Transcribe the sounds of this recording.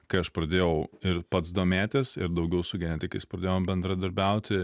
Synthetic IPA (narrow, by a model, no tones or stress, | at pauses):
kɐɪɐʃpɾɐd̪ʲeːjɛʊɪɾpɐt̪sd̪oːmʲæːt̪ʲɪsɪɾd̪ɐʊɡʲɛʊsʊɡʲɛnʲɛt̪ʲɪkɐɪspɾɐd̪ʲeːjoːmbʲɛnd̪ɾɐd̪ɐɾʲbʲɛʊt̪ʲɪ